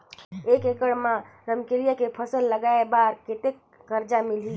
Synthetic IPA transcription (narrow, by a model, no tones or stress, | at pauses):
ekekəɽmãɾəmkelijakepʰəsəlːəɡaebaɾket̪ekː | əɾd͡ʒamili